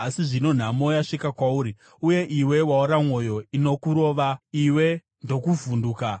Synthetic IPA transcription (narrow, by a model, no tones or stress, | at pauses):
asiʐino̞n̤amo̞jaʂikakwauːɾi | uje̞ʔiwe̞wauɾamwo̞jo̞ino̞kuɾo̞ːʋaiwe̞ | ndo̞kuvunduːka